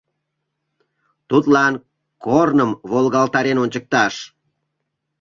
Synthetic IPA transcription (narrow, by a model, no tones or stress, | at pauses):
t̪ut̪lɑn | kornəmβolɣɑlt̪ɑɾenonʲt͡ɕək̚t̪ɑʃ